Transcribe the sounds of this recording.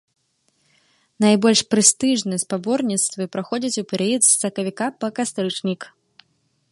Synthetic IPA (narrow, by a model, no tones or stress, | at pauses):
najbɔlʲʂpɾɨst̪ɨʐnɨɛspabɔrnʲit̪st̪vɨpɾaxɔd͡zʲit͡sʲupʲɛɾɛjɛt̪sːɐkɐvʲikapɐkast̪ɾɨt͡ʂnʲik